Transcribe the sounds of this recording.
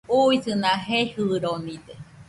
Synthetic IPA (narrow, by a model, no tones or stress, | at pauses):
uisɨnãɦehɨɾonĩt̪e